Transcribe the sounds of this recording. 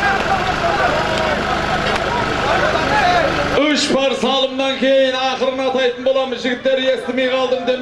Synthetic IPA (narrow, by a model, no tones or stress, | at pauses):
ʏʃpɑɾsɑlˠəmnɑŋkʲʰe̞jɪnɑqəɾənɑt̪ɑjt̪ənbo̞lˠɑməzʒɪɡʲɪt̪ːe̞ɾe̞st̪ɪme̞jqʰɑlˠd̪əmd̪e̞m